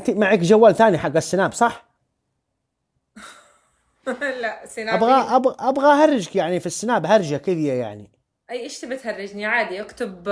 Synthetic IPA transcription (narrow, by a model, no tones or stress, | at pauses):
t̪imaʕiːkd͡ʒawːaːlθaːniħaɡːasːɪnaːbsˤɑħ | laʔsɪnaabɣaʔabɣʔabɣaʔhɑrˤːɪd͡ʒkjaʕnifisːɪnaːbhɑɾˤd͡ʒakɪðjaja̰ʕnḭ | ʔiːʔɪʃt̪ɪbɪt̪hɑrˤːɪd͡ʒniʕaːd̪iʔakt̪ʊb